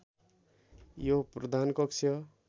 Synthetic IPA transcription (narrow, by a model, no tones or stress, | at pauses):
joprʌd̪ʱankʌksʰjʌ